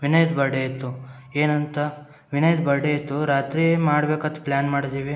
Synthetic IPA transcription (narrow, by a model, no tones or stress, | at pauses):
ʋinɐjd̪bɐɽeit̪ːu | eːnɐnt̪ɐ | ʋinɐjd̪bɐɽeit̪ːuɾaːt̪ɾiemaːɽbeːkɐt̪ːɐ̥plʲaːnmaːɽt̪iːʋi